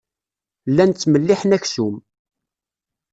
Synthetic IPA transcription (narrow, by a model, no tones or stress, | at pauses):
lːænt͡sːməlːiħənæçsum